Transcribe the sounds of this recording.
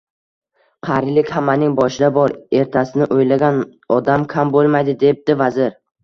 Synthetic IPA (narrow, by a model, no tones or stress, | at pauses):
qʰɑɾlɪkʲhamːanɪŋbɒʃɪd̪abɒɾe̞ɾt̪ʰasɪnɪʔojlaɡʲanɒd̪amkʲʰambolˠmajd̪ɪd̪e̞p̚d̪̥ɪvazɪɾ